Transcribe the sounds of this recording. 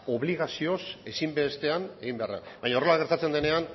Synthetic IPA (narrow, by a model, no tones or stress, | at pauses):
o̞βliɣ̞asio̞se̞simbe̞st̪e̞ane̞ɣimbea̰ra̰bajɲaorolaɣ̞e̞ɾt̪at͡se̞nd̪e̞ne̞an